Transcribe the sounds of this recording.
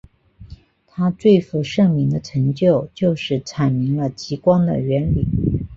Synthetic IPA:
t̪ʰa˥t͡swe˥˩ɪfu˧˩ʂɤ˥˩ŋmi˧˥ŋd̪ə˧ʈ͡ʂʰɤ˧˥ŋt͡ɕjo˥˩ʊt͡ɕjo˥˧ʊʂɻ̩˥˩ʈ͡ʂʰa˨˩nmi˧˥ŋlə˧t͡ɕi˧˥kwɑ˥ŋd̪ə̰˨ɥɛ˧˥nli˨˩˦

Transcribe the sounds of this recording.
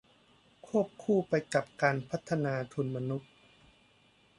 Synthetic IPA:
kʰu˥˩əp̚kʰuː˥˩pa˧jka˨˩p̚kaː˧npʰa˦˥t̪ʰːa˧naː˧t̪ʰu˧nma˧nu˦˥t̪̚

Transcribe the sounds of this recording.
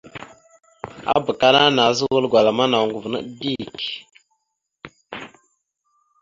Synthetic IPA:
a̰˦bə˨ka˦na˦na˨˦zə˦wə˦lɡʷa˨la˨ma˦na˨ŋɡu˨vnə̰˦di˦k

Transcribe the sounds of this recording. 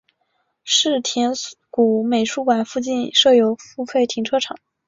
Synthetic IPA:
ʂɻ̩˥˩t̪ʰjɛ˧˥nku˨˧˩me˨˩ɪʂu˥kwa˨˩nfu˥˧t͡ɕi˥˧nʂɤ˥˩jo˧˥ʊfu˥˧fe˥˩ɪt̪ʰi˧˥ŋʈ͡ʂʰɤ˥ʈ͡ʂʰɑ˨˩˦

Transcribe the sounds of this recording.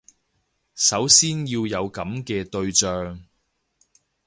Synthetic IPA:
sɐ˨˥wsiː˥njiː˧wjɐ˨˧wkɐ˨˥mkɛː˧t̪ɵ˧ɥt͡ʃœː˧ŋ

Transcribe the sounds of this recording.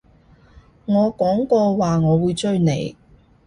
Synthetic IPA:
ŋɔː˨˧kɔː˨˥ŋkɔː˧waː˨ŋɔː˨˧wuː˨˧jt͡ʃɵ˧ɥnḛ˨˧j

